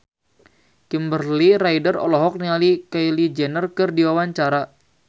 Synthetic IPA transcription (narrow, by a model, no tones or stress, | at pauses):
kimbərliɾaidərɔlɔɦɔk̚nialikajlid͡ʒɛnərkɨrdiwawaɲt͡ʃaɾa